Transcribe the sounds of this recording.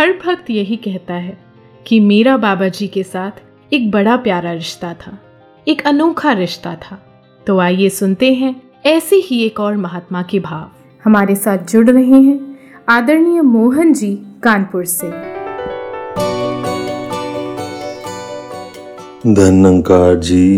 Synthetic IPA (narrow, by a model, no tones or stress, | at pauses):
hɐɾbʱɐk̚t̪jɐɦikɛɦt̪aɦɛ | kimeːɾabaːbad͡ʒiːkesaːt̪ʰ | eːk̚bɐɽapjaːɾaɾɪʃt̪at̪ʰaː | eːkɐnoːkʰaɾɪʃt̪at̪ʰaː | t̪oːaːjesʊnt̪eɦɛ̃ | ɛːseɦieːkɔːɾmɐɦaːt̪makebʱaːʋ | hɐmaːɾesaːt̪̚ʰd͡ʒʊɽɾɐɦeɦɛ̃ː | aːd̪əɾnijəmoːɦənd͡ʒiːkaːnpʊɾseː | d̪ʱɐnːə̃ŋkaːd͡ʒiː